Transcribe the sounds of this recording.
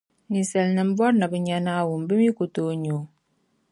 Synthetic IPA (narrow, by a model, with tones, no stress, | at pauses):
ni˨sɛ˨lnə˨m̩˦bɔ˦t̚nə˨bə˨ɲa˨na˦˨wu˨m˨bə˦mi˦ku˨to˦ɲo˨